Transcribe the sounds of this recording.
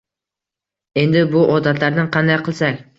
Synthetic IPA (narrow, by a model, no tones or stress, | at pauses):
e̞nd̪ɪbuʔod̪ɑt̪lɑɾd̪ɨɴqʰɑnd̪ɑjqʰɨlˠsɑk